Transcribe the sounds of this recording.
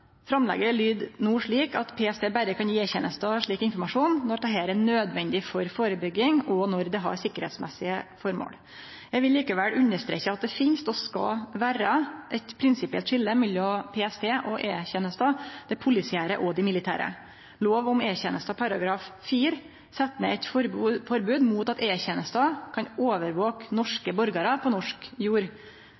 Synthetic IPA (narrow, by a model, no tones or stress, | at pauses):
fɾɑmlɛ̰ɡəɭyːd̪nuːʂɭiːkɑt̪pʰeːɛst̪eːbæɾəkʰɑnjiːeːçɛnəst̪ɑʂɭiːkɪnfɔɾmɑʂuːnːɔt̪ɑɦeːɾæɳøːd̪ʋɛnd̪ɪfɔɾfoːɾəbʏɡːɪŋɔnɔɾd̪ɛɦɑ̰ɾsɪkːəɾhɛ̰t̪smɛ̰sɪəfɔɾmo̰ːl | jæɪɡʋɪlːiːkəʋɛlʔʉnəʂt̪ɾḛçəɑt̪̚d̪ɛfɪnst̪ɔskɑ̰ʋæːɾəʔɛt̪pʰɾɪnsɪpɪɛlt̪ʂɪlːəmɪlːɔpʰeːɛst̪ʰeːʔɔʔeːçɛnəst̪ɑd̪ɛpʰʊlɪsɪæːɾəʔɔd̪ɪmɪlɪt̪ʰæ̰ːɾə̰ | loːʋʊmeːçɛnəst̪ɑpʰɑɾɑɡɾɑːffiːɾ | sɛt̪ːmɛɛt̪ɾfɔɾbʉːd̪muːt̪ɑt̪eːçɛnəst̪ɑkʰɑnoːʋəɾʋoːknɔʂkəbɔɾɡɑɾɑpʰɔnɔʂkjuːɾ